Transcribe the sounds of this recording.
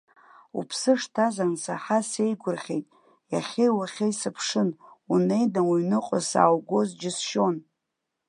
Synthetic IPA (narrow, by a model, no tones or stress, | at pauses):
ṵpʰsɨʂtʰazansaħase̞jɡʷʊrχʲe̞jtʼ | jaχʲejwaχʲejsɨpʰʂɨnune̞jdamuɥnɨqʼasa̰ːwɡʷo̞zd͡ʒɪsʃo̞n